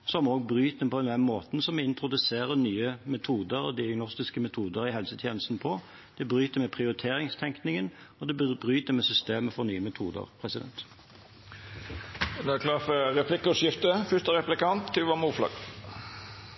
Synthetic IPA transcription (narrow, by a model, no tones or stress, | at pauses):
sɔmoːɡ̚bɾyːt̪̚d̪ɛmpʰɔɛnd̪ɛnmoːt̪n̩sɔmɛɪnt̪ɾʊd̪ʉseːɾənyːəmɛt̪ʰuːd̪əɾɔd̪ɪɑɡnɔst̪ɪskəmɛt̪ʰuːd̪əɾɪhɛlsət̪ʰjeːnəst̪n̩pʰɔ | d̪̥ɛbɾyːt̪əmɛpʰʁɪʊɾɪt̪ʰeːɾɪŋst̪ʰɛŋknɪŋən | ɔd̪ɛbɾyːt̪əmɛsʏst̪eːməfɔɾnyːəmɛt̪ʰṵːd̪ə̰ɾpʰɾɛsɪd̪ɛ̰nt̪ | d̪ækʰlɑːfəɾɛpʰlɪkːʊʂjɪft̪əfʏʂt̪əɾɛplɪkɑnt̪ːɪʋɑmuːflɑ̰ɡ